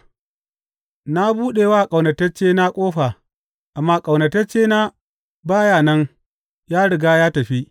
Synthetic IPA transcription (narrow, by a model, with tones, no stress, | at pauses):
na˦buː˦ɗeː˨waː˦˨kʼɐ˨wnɐ˨tɐ˦t͡ʃeː˦na˦kʷʼoː˦ɸaː˨ | ʔa˨mːaː˦kʼɐ˨wnɐ˨tɐ˦t͡ʃeː˦na˦ | baː˦jaː˨nɐ˦ŋ | jaː˦ɽɪ˨ɡaː˦jaː˦tɐ˨ɸi˦